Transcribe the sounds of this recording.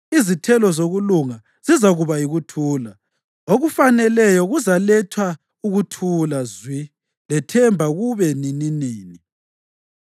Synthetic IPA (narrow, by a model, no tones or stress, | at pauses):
izitʰɛlɔzoɣuluŋa | zizaɣuβaiɣutʰuːla | oɣufanɛlɛjɔɣuzalɛtʰwa | uɣutʰulazwi | lɛtʰɛmbʱaɣuβɛninineːni